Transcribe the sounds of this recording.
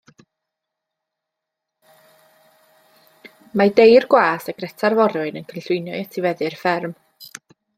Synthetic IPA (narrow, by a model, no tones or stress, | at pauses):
madejrɡwaːsaɡ̥rɛtʰarvɔɾʊɨnənkʰənɬʊɨnjɔjatʰivɛðɨrfɛrm